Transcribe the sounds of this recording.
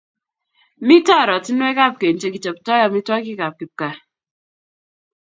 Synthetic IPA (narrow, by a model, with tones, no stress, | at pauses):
mi˦tɔ˦˨ɾɔ˨ti˦nwɛ˦ka˦˨p̚ke˨n˦t͡ʃe˦ki˨t͡ʃe˨ptɔ˦jɔ˨mi˦twɔ˦ki˦ka˨p̚ki˨p̚ka˨